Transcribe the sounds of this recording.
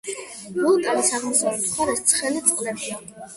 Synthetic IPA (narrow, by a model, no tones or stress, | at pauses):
bulˠkʼavisaʁmɔsavɛp̚t̪χʰwaɾast̪sʰχɛlit̪sʼqʼd̪ɛba